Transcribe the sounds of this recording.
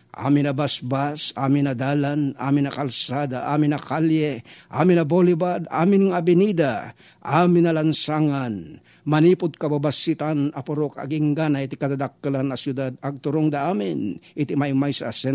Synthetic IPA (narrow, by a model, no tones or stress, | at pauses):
ʔa̰ːmɪnɐbasbasʔa̰ːmɪnɐd̪aːlana̰ːmɪnɐkɐlsaːd̪aʔa̰ːmɪnɐkaljɛʔaːmɪnɐbolɪbad̪a̰ːmɪnŋabɪnid̪a | ʔaːmɪnɐlɐnsaːŋan | mɐniːpʊd̪̚kɐbabasit̪anɐpʊɾoka̰ɡɪŋɡanait̪ɪkɐd̪ad̪ak̚ːalanːɐsjʊd̪ad̪̚ɐɡ̚t̪ʊɾoŋd̪aʔaːmɪnʔɪt̪imaɪmajsɐːsɛ